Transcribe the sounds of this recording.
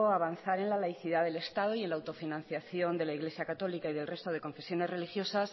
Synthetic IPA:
oaβanθaɾe̞nlalajθiðaðe̞le̞st̪að̞oie̞nlawt̪o̞finãnθjaθjo̞nd̪e̞laiɣle̞sjakat̪o̞likaiðe̞lre̞st̪oð̞e̞ko̞ɱfe̞sjo̞ne̞zre̞lixjo̞sas

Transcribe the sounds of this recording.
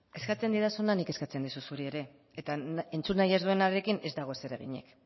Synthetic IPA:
e̞skat͡se̞nd̪iɾasonanike̞skat͡se̞nd̪isusuɾie̞ɾe̞ | et̪aent͡sunːajazðue̞naɾe̞kine̞zd̪aɣ̞o̞ese̞ɾeɣ̞iɲe̞̰k

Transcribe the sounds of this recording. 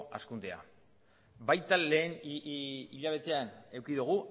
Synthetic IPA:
a̰skund̪ea̰ | bajt̪ale̞ːn | iʎaβ̞e̞t̪e̞ane̞wkiðuɣ̞u

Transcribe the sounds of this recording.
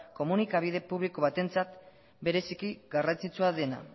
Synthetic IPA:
ko̞munikaβ̞ið̞e̞puβliko̞β̞at̪e̞nt͡sat̪ | be̞ɾe̞sikiɡarant͡sit͡suaðe̞na̰

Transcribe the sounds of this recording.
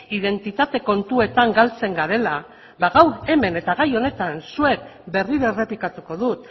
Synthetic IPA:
ið̞e̞nt̪it̪at̪e̞ko̞nt̪ue̞t̪aŋɡalt͡se̞ŋɡaɾe̞la | βaɣawɾe̞me̞ne̞t̪aɣajo̞ne̞t̪ansue̞k̚be̞riɾore̞pikat̪uko̞ðut̪

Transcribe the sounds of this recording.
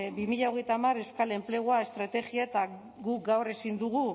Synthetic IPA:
bimiʎaoɣ̞e̞jt̪amaɾewskale̞mple̞ɣoae̞st̪ɾat̪e̞ɣiaet̪a | ɡuk̚ɡawre̞sind̪uɣu

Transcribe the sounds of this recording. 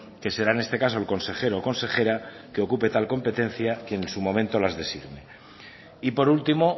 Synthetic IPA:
ke̞se̞ɾae̞nest̪e̞kasoelko̞nse̞xe̞ɾoko̞nse̞xe̞ɾa | ke̞o̞kupe̞t̪alko̞mpe̞t̪e̞n̟θjakenensumo̞mẽ̞nt̪o̞lazðe̞siɣme̞ | ipo̞ɾult̪imo̞

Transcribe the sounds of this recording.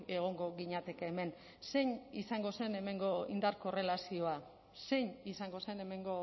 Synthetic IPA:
eɣ̞o̞ŋɡo̞ɣiɲat̪e̞keːme̞n | se̞ɲisaŋɡo̞se̞ne̞me̞ŋɡo̞ḭnd̪aɾko̞re̞lasio̞a | se̞jɲisaŋɡo̞se̞ne̞me̞ŋɡo̞

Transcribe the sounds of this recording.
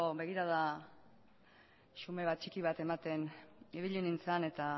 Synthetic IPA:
oβe̞ɣ̞iɾað̞a | ʃume̞βat̪̚t͡ʃikiβ̞at̪e̞mat̪e̞niβiʎinint͡sane̞t̪a

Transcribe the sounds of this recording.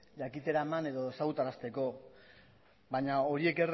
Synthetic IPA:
ʎakit̪e̞ɾaemane̞ðo̞sawt̪aɾast̪e̞ko̞ | baɲao̞ɾie̞ker

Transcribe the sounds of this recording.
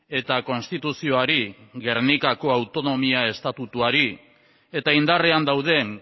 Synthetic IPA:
e̞t̪ako̞nst̪it̪usio̞aɾiɣe̞ɾnikako̞awt̪o̞no̞miae̞st̪at̪ut̪uaɾi | e̞t̪aind̪are̞and̪awðe̞

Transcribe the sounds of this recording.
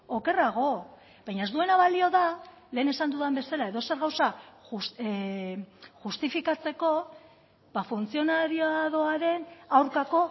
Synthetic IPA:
oke̞raɣ̞o̞ | bajɲae̞zd̪ue̞naβalio̞ða | le̞ːne̞sand̪uðambe̞salae̞ðo̞se̞ɾɣawsaus | ʝust̪ifikat͡se̞ko̞ | bafunt͡sio̞naɾioaðo̞aɾe̞nawɾkako̞

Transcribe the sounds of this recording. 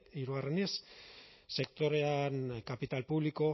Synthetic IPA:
iɾuarenes | se̞kt̪o̞ɾe̞ankapit̪alpuβliko̞

